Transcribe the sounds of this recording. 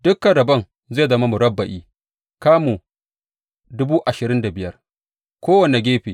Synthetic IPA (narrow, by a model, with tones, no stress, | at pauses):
dʊ˦kːa˨ɽɐ˨bɐ˦n | zeː˦˨zɐ˦ma˦mu˨ɽɐ˦bːɐ˨ʔiː˦ | kaː˦mu˨ | dʊ˦buː˦ʔa˨ʃɪ˨ɾɪ˦nda˨bɪ˨jɐ˦r | kʷoː˦wɐ˨ne˨ɡʲeː˦ɸeː˨